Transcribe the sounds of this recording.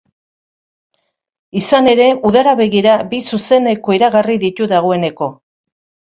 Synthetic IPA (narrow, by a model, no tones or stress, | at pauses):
isane̞ɾe̞uðaɾaβe̞ɣiɾabisuse̞ne̞ko̞iɾaɣariðit̪uðaɣ̞o̞e̞ne̞ko̞